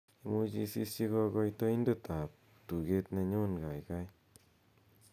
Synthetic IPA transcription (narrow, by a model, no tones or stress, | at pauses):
imud͡ʒisḭsiɡɔɡɔjtojndɯtap̚ | tuɡet̚neɲonɡajɡaj